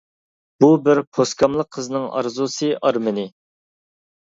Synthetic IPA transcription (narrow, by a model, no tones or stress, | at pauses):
b̥ubɪɾpʰoskʰɑmlˠəqʰːəzɨnɨŋɑ̰ɾzusɨʔɑɾmɨnɪ